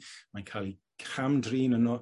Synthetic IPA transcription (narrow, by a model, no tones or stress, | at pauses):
mankʰaːlˠi | kʰramdriːnənɔ